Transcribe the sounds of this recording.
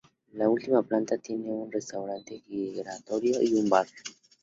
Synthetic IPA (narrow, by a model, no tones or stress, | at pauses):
lault̪imaplant̪at̪jeneunrest̪awɾant̪eɣiɣɾat̪oɾjoiumbako̥